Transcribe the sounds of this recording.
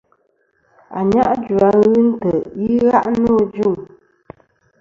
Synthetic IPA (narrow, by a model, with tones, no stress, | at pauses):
a̰˨ɲa˦ʔd͡ʒu˨a˨ɣɨ˦n̩˦tə˨ji˦ɣa˦ʔno˦˨d͡ʒu˦˨ŋ